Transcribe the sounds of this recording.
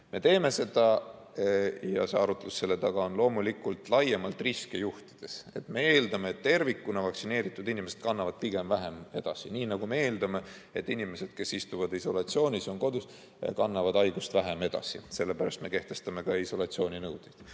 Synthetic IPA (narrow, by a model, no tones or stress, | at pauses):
me̞t̪e̞ːme̞se̞d̪̥ɑ | jɑ̰se̞ɑɾut̪ːˑelusse̞lːet̪ɑɡ̥ɑonlo̞ːmulikult̪ˑlɑjemɑlt̪riskejuht̪i̥d̪̥e̞se̞t̪me̞e̞ːld̪ɑmeːt̪t̪ːe̞rvikːunɑvɑksine̞ːɾit̪ːˑud̪inʲimese̞t̪kɑnːɑvɑd̪̥̚piɡ̥e̞mvæɦeme̞d̪̥ɑsiniːnɑɡ̥umee̞ːld̪ɑme̞et̪ːˑinime̞se̞d̪̥ke̞sist̪uvɑd̪iso̞lɑt̪sio̞ːnʲiso̞ŋko̞d̪us | kɑnːɑvɑd̪ɑjɡ̥ust̪væɦeme̞d̪̥ɑ̰sḭse̞lːe̞pæɾɑst̪me̞ke̞ht̪e̞st̪ɑme̞kɑiso̞lɑt̪sio̞ːnʲinɤwd̪̥id̪̥